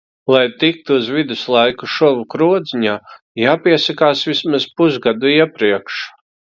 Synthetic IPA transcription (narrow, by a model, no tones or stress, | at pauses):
lˠajt̪ik̚t̪uuzvid̪uslˠajkuʃɔvukɾuɔd̪ziɲaː | jaːpiɛsakaːsvismaz̥puzɡad̪uiɛpɾiɛkʃ